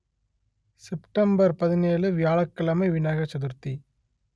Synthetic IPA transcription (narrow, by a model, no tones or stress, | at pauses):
sɪpʈɐmbɐɾpɐðɪneːlɯʋɪjaːɭɐkːɐlɐmɐɪʋɪnaːɣɐt͡ʃːɐðɯɾt̪i